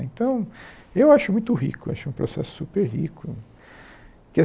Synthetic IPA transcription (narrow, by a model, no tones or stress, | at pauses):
ḛ̃nt̪ɐ̃w̃ewaʃʊmũj̃t̪ʊɦḭkʊa̰ʃʊɛ̃ũpɾo̰sɛ̰sʊ̥supeɾɦikʰʊ | kɪ